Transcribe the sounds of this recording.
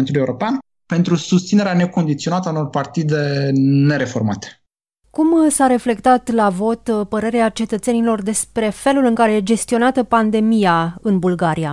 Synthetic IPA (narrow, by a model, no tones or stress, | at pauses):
nt̪ulijeuɾopean | pe̞nt̪ɾusust̪sineɾeane̞ko̞nd̪it̪sio̞nat̪əauno̞rpart̪id̪e̞ne̞ɾe̞fo̞rmat̪e̥ | kumsaɾe̞fle̞kt̪at̪lavo̞t̪pəɾe̞ɾeat͡ʃe̞t̪ət̪se̞nilo̞rd̪e̞spɾe̞fe̞lulɨŋkaɾe̞d͡ʒe̞st̪io̞nat̪əpand̪e̞mijaɨnbulɡaɾija